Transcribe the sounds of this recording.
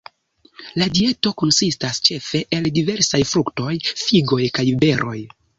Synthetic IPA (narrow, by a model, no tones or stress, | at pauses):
ladie̞to̞ko̞nsistast͡ʃe̞fe̞ʔeldive̞ɾsajfɾukto̞jfiɡo̞jkajibe̞ɾʔo̞̰j